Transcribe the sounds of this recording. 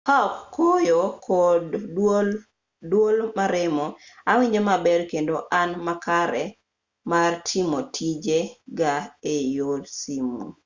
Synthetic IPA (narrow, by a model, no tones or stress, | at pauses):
hakːojokʰɔdol | dwolmaɾɛmɔawiɲd͡ʒɔmabɛɾkendoʔanmakaɾɛ | martʰimotʰid͡ʒeɡaejodsimṵ